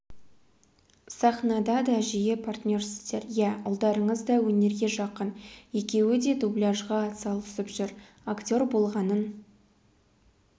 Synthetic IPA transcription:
sɑχnɑd̪ɑd̪ɑʒijepʰart̪nʲo̞rsɪzd̪e̞ɾjæʊ̰lˠd̪ɑɾəɴəzd̪ɑwɵne̞ɾɡʲe̞ʒɑqənje̞kʲe̞wɪd̪e̞d̪ublʲaʒʁɑːt̪sɑlˠt̪ʰʏ̥sɪpʒʏɾ | aktʲo̞rbo̞lˠʁɑnən

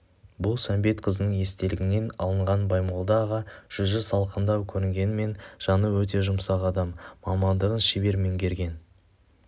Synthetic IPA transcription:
bʊlˠsæmbe̞t̪qʰəzənəɴje̞st̪e̞lɪɡʲɪne̞nɑ̰lˠəɴʁɑnbɑjmolˠd̪ɑʁɑʒ̥ʏzʒʏzɑlˠqənd̪ɑwkʲʰɵɾɪŋɡʲe̞nɪme̞nʒ̥ɑnəwɵt̪̬e̞ʒʊmsɑʁɑd̪ɑmːɑmɑnd̪əʁənʃɪbe̞ɾme̞ŋɡʲe̞ɾɡʲe̞n

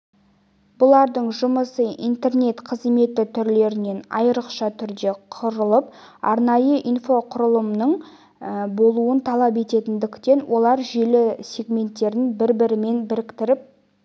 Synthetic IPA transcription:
b̥ʊlˠɑɾd̪əɴʒʊməsəḭnt̪e̞rne̞t̪qʰəzme̞t̪ɪt̪ʰʏɾle̞ɾɪne̞nɑ̰jəɾəqʃɑt̪ʰʏɾd̪e̞qʰʊɾəlˠəp̚ɑ̰ɾnɑjəʔinfo̞qʰʊɾəlˠəmnəɴ | bo̞lˠuənt̪ʰɑlˠɑpe̞t̪e̞t̪ɪnd̪ɪkt̪e̞nwʔo̞lˠɑɾʒe̞lɪsʲe̞ɡmʲe̞nt̪ːe̞ɾɪnbɪɾbɪɾɪme̞nbɪɾɪkt̪ɪɾɪp̚

